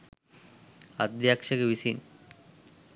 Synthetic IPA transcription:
ad̪jakʂɐkeʋisin

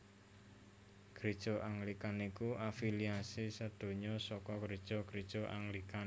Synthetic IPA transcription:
ɡ̥ɾid̥ʒ̥ɔʔaŋlikanikuafiliasisəd̪̥o̤ɲɔsɔkɔɡɾid̥ʒ̥ɔkɾid̥ʒ̥o̤ʔa̰ŋlikan

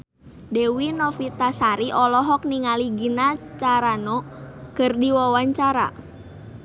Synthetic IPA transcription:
dewinɔfit̪asaɾiʔɔlɔɦɔk̚niŋaliɡinat͡ʃaɾanɔkɨrdiwawaɲt͡ʃaɾa̰

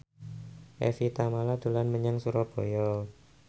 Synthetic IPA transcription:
ʔɛ̰fit̪amalad̪̥ṳlanməɲaŋsuɾɔb̥o̤jɔ

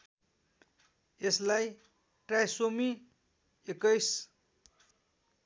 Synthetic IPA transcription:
eslaj | ʈrajsomi | ekʌjs

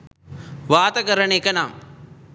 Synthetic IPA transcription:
ʋaːt̪ɐɡɐɾɐɳekɐnaːm

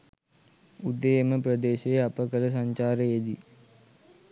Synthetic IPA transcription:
ud̪ejəməpɾəd̪eːʃejapəkələs̬aɲt͡ʃaːɾəed̪i

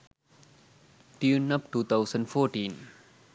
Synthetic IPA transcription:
tinːɐp̚tut̪əwsənfɔːtiːn

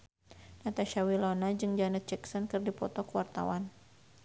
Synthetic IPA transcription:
nat̪aʃawilɔnad͡ʒɨŋd͡ʒanɛt̪̚t͡ʃɛksɔnkɨrdipɔt̪ɔkəwart̪a̰wan

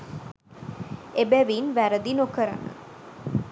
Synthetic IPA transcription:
ebæʋinʋæɾəd̪inokəɾə̰nə̰

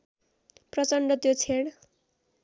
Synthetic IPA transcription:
prʌt͡sʌɳɖʌt̪jot͡sʰeɽ

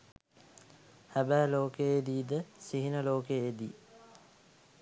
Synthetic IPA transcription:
hæbæːloːkeed̪iːd̪əsiɦinəloːkeed̪i

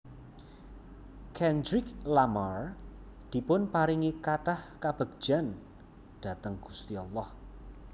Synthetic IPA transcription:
kʰɛndɾɪklamar | d̪̥i̤pʊnpaɾiŋikaʈahkab̥ə̤ɡ̥̚d͡ʒ̥a̤n | ɖ̥a̤t̪əŋɡ̥u̥st̪iɔlːɔh

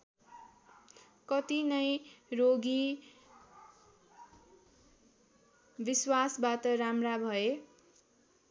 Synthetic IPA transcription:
kʌt̪inʌjroɡi | biswasbat̪ʌɾamrabʱʌe

